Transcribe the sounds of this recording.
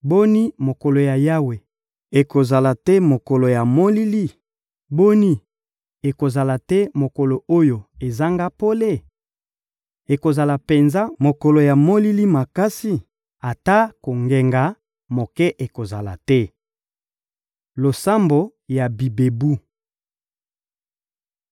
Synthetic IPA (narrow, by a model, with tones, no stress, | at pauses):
bo˦ni˦mo˨ko˨lo˨ja˨ja˦we˨ | e˨ko˨za˨la˨tɛ˦mo˨ko˨lo˨ja˨mo˦li˦li˦ | bo˦ni˦ | e˨ko˨za˨la˨tɛ˦mo˨ko˨lo˨o˦jo˨e˨za˦ŋɡa˦po˦le˦˨ | e˨ko˨za˨la˨pe˨nza˦mo˨ko˨lo˨ja˨mo˦li˦li˦ma˨ka˦si˦ | a˨ta˦ko˨ŋɡe˨ŋɡa˨ | mo˨kɛ˦ʔe˨ko˨za˨la̰˨tɛ˦ | lo˨sa˦mbo˨ | ja˨bi˨be˨bu˦